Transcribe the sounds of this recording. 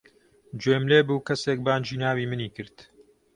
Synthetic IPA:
d͡ʒwemleːbuːkɐseːk̚baːnd͡ʒiːnaːwiːmɨniːkɨɾt̪

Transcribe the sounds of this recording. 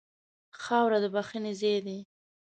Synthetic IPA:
xɑwɾad̪əbaxinezed̪i

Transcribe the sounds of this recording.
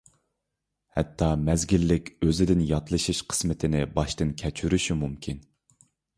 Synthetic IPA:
hɛ̰t̪ʰːɑmɛzɡʲilːɪkʲøzɪd̪ɪnjɑt̪ʰlˠɨʃiʃqʰə̥smɪt̪ʰɪnɪbɑʃt̪ɨnkʲʰɛt͡ʃʰyɾyʃymumkʲʰin

